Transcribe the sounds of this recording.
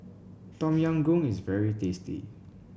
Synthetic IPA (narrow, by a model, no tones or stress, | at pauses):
tɔ̃mjãŋɡũŋisvɛɹitestḭ